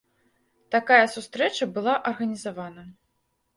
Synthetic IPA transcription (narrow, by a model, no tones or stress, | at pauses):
t̪akajɐsust̪ɾɛt͡ʂɐbɨlˠaʔɐrɣɐnʲizavanɐ